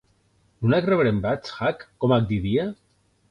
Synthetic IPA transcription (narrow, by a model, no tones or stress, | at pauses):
nunakreβɾembat͡ʃxakːɔmak̚d̪iðia